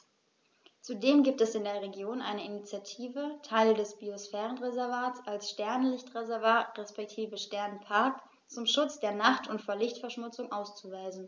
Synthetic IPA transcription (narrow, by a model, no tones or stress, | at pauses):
t͡sudeːmɡiːp̚tɛsɪndeːɐʁeɡjoːnʔa̰ɪnəinit͡sjatʰiːvətʰaɪldɛsb̥iosfɛːʁənʁezɛɐvaːtsalsʃtɛɐnlɪçtʁ̥ezɛɐvaːtʁɛspɛk̚tʰiːvəʃtɛɐnpʰaɐk | t͡sʊmʃʊt͡sd̥eːɐnaχtʰʊntfoːɐlɪçtfɛɐʃmʊt͡sʊŋʔaʊst͡suvaɪzn̩